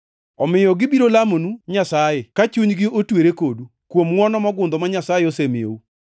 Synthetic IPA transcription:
ɔmɪjɔɡɪbiɾolamonuɲasajekat͡ʃuɲɡɪotweɾekodu | kwomŋwɔnɔmɔɡʊnd̪omaɲasajeosemɪo̰u

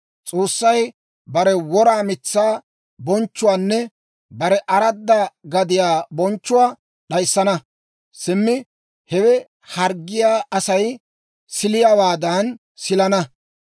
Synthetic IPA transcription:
t͡sʼoːsːɐj | bɐɾɛwɔɾaːmɪt͡sːaː | bɔnt͡ʃːʊwaːnːɛ | bɐɾɛʔɐɾɐd̪ːɐɡɐd̪ɪjaːbɔnt͡ʃːʊwaː | ɗɐjsːɐnɐ | sɪmːɪ | hɛwɛ | hɐɾɡːɪjaːʔɐsɐj | sɪlɪjawaːd̪ɐn | sɪlɐnɐ

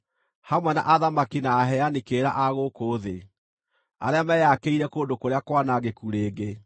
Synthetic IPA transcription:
hamwɛna̰ʔaðamakinaːɦɛanikeːɾa̰ʔaɣokoːðe | a̰ɾeamɛjakeiɾɛkoːndokoɾeakwanaɣekuɾeːɡe

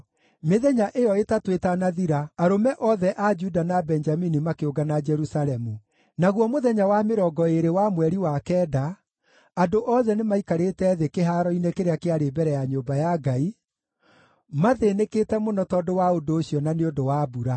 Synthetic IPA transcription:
meðɛɲaʔejɔetatwetanaðiɾaaɾomɛʔɔðɛʔad͡ʒudanabɛnd͡ʒaminimakeoɡanad͡ʒɛɾusaɾɛmu | naɣwɔmoðɛɲawameɾɔɡɔeɾewamwɛɾiwakɛːda | andoʔɔðɛnemaikaɾetɛːðekeɦaɾɔinekeɾeakeaɾebɛɾɛjaɲoːbajaɡai | maðeːnekeːtɛmonɔtɔdowaodoːɕiɔnaneodowaːbuɾa

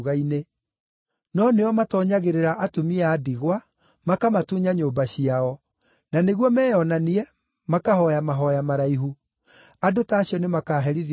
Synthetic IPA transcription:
ɣaine | nɔneɔmatɔɲaɣeɾeɾaʔatomiaːdiɣwa | makamatuɲaɲoːbaɕiaɔ | naneɣwɔmɛːjɔnaniɛ | makahɔjamaɦɔjamaɾaiɦu | adotaːɕiɔnemakaːɦɛɾið

